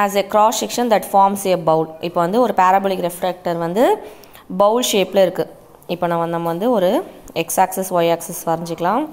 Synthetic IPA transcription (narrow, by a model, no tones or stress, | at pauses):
æːsekɾɔːsɛkʂɐnd̪ɐʈfaːɾmseebɐʊlɪpːoːʋɐnd̪ɯɔɾɯpaːɾɐbɐlɪkɾɛfɾek̚ʈɐɾʋɐnd̪ɯ | bɐʊlʃeːpɪleɪɾɯkːɯ | ɪpːoːnɐmɐnɐmːɐʋɐnd̪ɯɔɾɯɛksaːksɛsʋɐɪaːksɛspɐɾɐɲd͡ʒɯkːɐlãː